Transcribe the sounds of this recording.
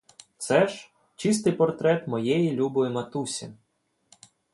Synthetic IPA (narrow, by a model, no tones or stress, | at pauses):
t̪sɛʒ | t͡ʃis̬t̪ɪjpɔrt̪ɾɛt̪mɔjɛjilʲubɔʋɪmɐt̪usʲi